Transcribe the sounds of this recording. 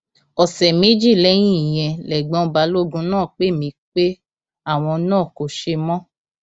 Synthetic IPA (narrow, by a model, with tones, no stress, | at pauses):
ɔ˨sɛ˨me˨˦d͡ʒi˦˨lɛ˦j̃ĩ˦˨i˨j̃ɛ̃˧lɛ˨ɡ͡bɔ̃˧ba˨˦lo˦ɡũ˧nãː˦˨k͡pe˦mĩ˧˦k͡pe˦ | a˦˨w̃ɔ̃˧nãː˦˨ko˨ʃe˧mɔ̃˦